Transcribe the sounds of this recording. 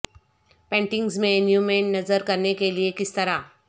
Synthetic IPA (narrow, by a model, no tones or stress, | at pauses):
pẽɳʈiŋɡzmẽnjumeɳnəd͡zəɾkəɾɳekeliekist̪əɾa